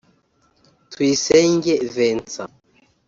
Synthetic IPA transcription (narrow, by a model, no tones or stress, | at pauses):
tʰuisɛŋɡevɛnt͡sa̰